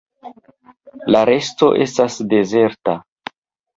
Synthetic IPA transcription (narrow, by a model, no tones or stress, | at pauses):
laɾe̞sto̞̰ʔe̞̰stasde̞ze̞ɾta